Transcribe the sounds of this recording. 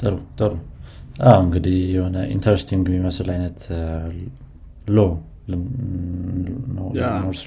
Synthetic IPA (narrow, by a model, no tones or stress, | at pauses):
t̪ɐɾut̪ʼɐɾuʔawɨŋɡɨd̪ijɛhonɐʔḭnt̪ʰɐɾest̪ʰiŋɡmimɐsɨlajnːɐt̪ | lo | l | nonoɾs